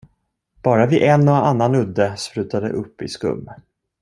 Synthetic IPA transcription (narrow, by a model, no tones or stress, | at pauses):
b̥ɑːɾavɪʔɛnːɔanːanɵd̪ːəspɾʉ̟ːt̪ad̪ə̰ʔɵpːɪ̰skɵ̰mː